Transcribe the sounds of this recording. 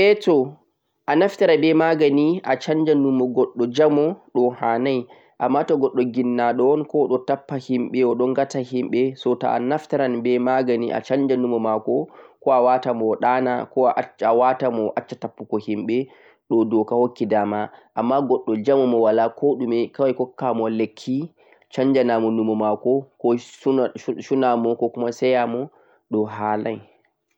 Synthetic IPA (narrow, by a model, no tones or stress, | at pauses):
ʔɛtɔ | ʔanaftaɾabɛmaɡaniʔat͡ʃaɲd͡ʒanumɔɡɔɗːɔd͡ʒamɔɗɔhanaj | ʔamːatɔɡɔɗːɔɡinːaɗɔnkɔɗɔtapːahimɓɛɔɗɔŋɡatahimɓɛsɔtaa̰naftaɾanbɛmaɡaniʔa̰t͡ʃaɲd͡ʒanumɔmakɔkɔawatamɔɗanakɔʔawatamɔʔat͡ʃːatapːukɔhimɓɛ | ɗɔdɔkahokːidamaʔamːaɡɔɗːɔd͡ʒamumɔwalakʰɔɗumɛkawajkɔkːamɔlekʰːi | t͡ʃaɲd͡ʒanamɔnumɔmakɔkɔsʃunamɔkɔkumasɛjamɔ | ɗɔɦala̰j